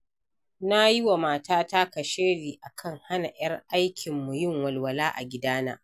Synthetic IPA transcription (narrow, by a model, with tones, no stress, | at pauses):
na˦jɪ˦wa˨maː˨taː˦ta˦kɐ˨ʃeː˦ɽiː˨ʔa˨kʰɐ˦ŋha˦na˨j̰ɐ˦rʔa˦jkʲʰɪ˨mːu˨jɪ˦˨ŋwɐ˨lwɐ˨laː˦ʔa̰˨ɡʲɪ˦daː˦na̰ː˦